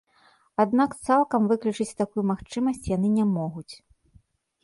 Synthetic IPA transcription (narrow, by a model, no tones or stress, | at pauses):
ad̪̚nakt̪salˠkɐmvɨklʲut͡ʂɨt͡sʲt̪akujumaxt͡ʂɨmɐsʲt͡sʲjan̪ɨnʲɛmɔɣut͡sʲ